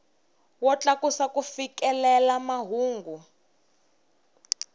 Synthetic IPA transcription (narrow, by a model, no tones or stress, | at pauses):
wɔt͡ɬakusakufikɛlɛlamaɦuːŋɡu